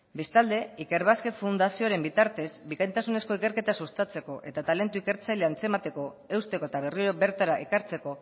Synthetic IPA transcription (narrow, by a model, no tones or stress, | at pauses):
be̞st̪ald̪e̞ike̞ɾβ̞aske̞fund̪asioɾe̞mbit̪aɾt̪e̞zbikajnt̪asune̞sko̞ike̞ɾke̞t̪asust̪at͡se̞ko̞ʔe̞t̪at̪ale̞nt̪uike̞ɾt͡sajleant͡se̞mat̪e̞ko̞ | e̞wst̪e̞ko̞et̪aβe̞riɾobe̞ɾt̪aɾaʔekaɾt͡se̞ko̞